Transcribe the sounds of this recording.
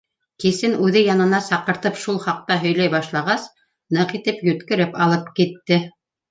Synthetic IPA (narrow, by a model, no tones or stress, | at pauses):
kisɘnʉðɘjɑnɤ̆nɑsɑqɤ̆ɾt̪ɤpʃulˠχɑq̚t̪ɑɦɵ̆jlæjbɑʃlˠɑʁɑs | nɤqit̪ɘpjɵ̆t̪kɘ̆ɾɘpɑlˠɤpkit̪ːɘ